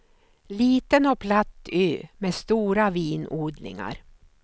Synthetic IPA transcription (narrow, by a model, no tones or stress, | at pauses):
liːt̪ənɔpʰlat̪ːyːmeːst̪uːɾaviːnuːd̪lɪ̰ŋa̰ɾ